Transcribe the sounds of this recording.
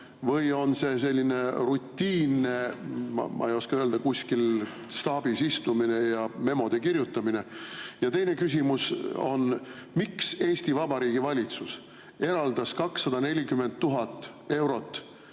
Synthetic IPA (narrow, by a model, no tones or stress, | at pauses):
vɤjo̞nse̞s̬e̞lʲːine̞rut̪ʲːiːnːe̞mɑ̰mʔɑ̰ejo̞skɑøːld̪ɑkuskil | st̪ɑːb̥isist̪umine̞jɑme̞mo̞d̪̥ekirjut̪ːˑɑmine̞jɑt̪e̞jne̞kys̬ʲimuso̞̰nmikse̞ːst̪ivɑbɑɾiːɡ̥ivɑlʲit̪sus | e̞ɾɑld̪̥ɑskɑksːɑd̪̥ɑne̞lʲikyme̞nd̪̚t̪ːuɦɑt̪ːˑ | e̞wɾo̞t̪ːˑ